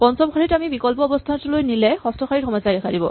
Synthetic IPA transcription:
pɔnsɔmxaɹitamibikɔlpɔːbɔst̪ʰatlojnilɛxɔstʰɔkxaɹiɹxɔmɔjsadɛkʰadibɔ

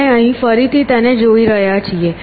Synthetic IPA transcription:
eəɦĩfəɾit̪it̪əned͡ʒoiɾəɦjat͡ʃʰie

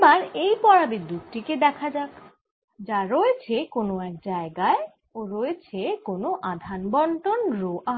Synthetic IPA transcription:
baɾejpɔɾabid̪ːut̪ʈiked̪ɛkʰad͡ʑak | d͡ʑaɾoet͡ɕʰekonoɛk̚d͡ʑaeɡae | oɾoet͡ɕʰekonoʔad̪ʱanbɔɳʈonɾoʔaɦ

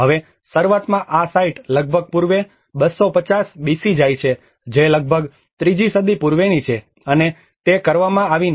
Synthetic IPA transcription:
ɦəʋe | səɾʋət̪mãʔasaiʈləɡ̚bʱəɡ̚puɾʋe | ɓəsːopət͡ʃasbisid͡ʒajt͡ʃʰe | d͡ʒeləɡ̚bʱəɡ | t̪ɾid͡ʒisəd̪ipuɾʋenit͡ʃʰe | əne | t̪ekəɾʋamãaʋin

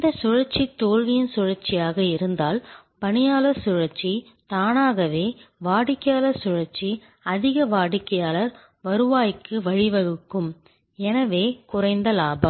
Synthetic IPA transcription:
ɪnd̪ɐsʊɻɐɾt͡ʃːit̪ːoːɻʋɪjɪnsʊɻɐɾt͡ʃːɪjaːɣɐɪɾɯnd̪aːlpɐɳɪjaːlɐsʊɻɐɾt͡ʃːi | t̪aːnaːɣɐʋeːʋaːɽɪkːɐjaːlɐɾsʊɻɐɾt͡ʃːi | ɐðɪɣɐʋaːɽɪkːɐjaːlɐɾ | ʋɐɾɯʋaːjkːɯʋɐɻɪʋɐɻɯkːɯm | ɛnɐʋeːkʊrɐɪnd̪ɐlaːbɐm

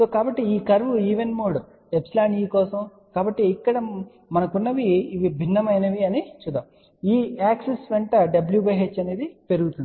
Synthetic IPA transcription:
soːkaːbɐʈːiiːkɐɾʋuiːʋenmoːɽu | epslaːɳiːkɔːsɐm | kaːbɐʈːiːkːɐɽɐ | mɐnɐkunːɐʋiːʋibʱinːɐmɐjnɐʋiɐnit͡ʃuːd̪ːaːm | iːaːksesʋeɳʈɐɖɐbljubɐɦeːt͡ʃːɐne̞ːd̪ipe̞ɾuɡut̪uni

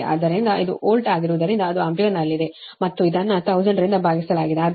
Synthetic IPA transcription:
ʔa̰ːd̪ɐɾind̪ɐʔid̪ṵʔoːlʈaːɡiɾuʋud̪ɐɾind̪ɐːd̪uɐmpiɐnɐlːid̪e | mɐt̪ːuid̪ɐnːɐt̪ɐwd͡ʒɐɳɖɾind̪ɐbʱaːɡisɐlaːɡid̪eaː

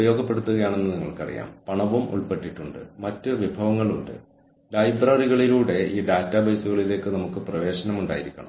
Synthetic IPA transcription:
ubɐjo̞ːɡʱɐpːe̞ɽut̪ːuɣɐjaːɳe̞nːɨniŋːɐ̰ɭkɐ̰rḭja̰ːmpɐɳɐʋumʔṵɭpe̞ʈːiʈːuɳɖɨ̰mɐtːɨʋibʱɐʋɐŋːɐɭuɳɖɨ̰ | lɐjbrɐriɣɐɭiluːɽe̞ʔiːɖaːtːɐbɐjsuɣɐɭile̞ːkːɨnɐmukːɨprɐʋe̞ːɕɐnɐmuɳɖa̰ːjiɾikʲːɐɳɐ̰m

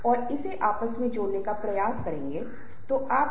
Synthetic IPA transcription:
ɔːɾɪseʔaːpəsmẽd͡ʒoːɽnekapɾɐjaːskɐɾẽːŋɡeː | t̪oʔaːp

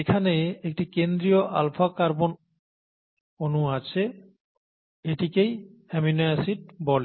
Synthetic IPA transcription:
ekʰaneːk̚ʈikend̪ɹijɔʔalpʰakaɹbɔn | onuat͡ʃʰɛ | etikejɛmiunajasit̚bɔl

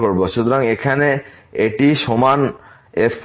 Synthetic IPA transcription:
oɾboʃut̪ɾaŋekʰane | eʈiʃoman | ess

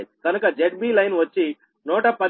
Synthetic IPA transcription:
j̪ikɐnukɐd͡ʒeʈ̚biːlɐjnʋɐt͡ʃːi | nuːʈɐpɐd̪

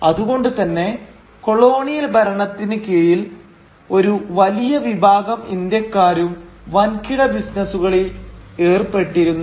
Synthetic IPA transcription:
ɐðuɣo̞ɳɖut̪ɐnːe̞ | ko̞ɭo̞ːɳijɐlbʱɐɾɐɳɐt̪ːinɨkejil | o̞ɾuʋɐlijɐʋibʱaːɡɐmḭnd̪jɐkːaːɾumʋɐnkiɽɐbisnɐsuɣɐɭie̞ːrpe̞ʈːiɾunːu

